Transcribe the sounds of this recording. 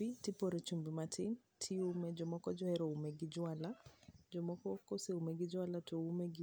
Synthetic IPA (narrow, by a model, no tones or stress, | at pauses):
itipɔɾɛt͡ʃumbimatʰin | tʰiumɛd͡ʒɔmɔkɔd͡ʒɔhɛɾɔumɛɡid͡ʒwalad͡ʒɔmɔkɔkɔsɛumɛɡid͡ʒwalatoumɛɡi